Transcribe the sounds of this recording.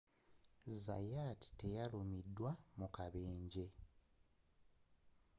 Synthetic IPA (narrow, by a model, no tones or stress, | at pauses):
za̰jaːti̥te̞jalumidːwamukaβeːɲɟe̞